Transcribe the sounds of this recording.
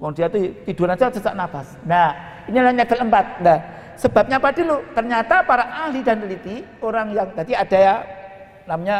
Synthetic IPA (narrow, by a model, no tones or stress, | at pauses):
wɔŋdiat̪ut̪iduanat͡ʃasat͡ʃa̰ʔnafasnah | inilaɲɛbələmpat̪̚na | səb̥a̤p̚ɲapadilut̪ərɲat̪apaɾaʔahlidanəlit̪i | oɾaŋjaŋdad̪iad̥a̤ja | namaɲa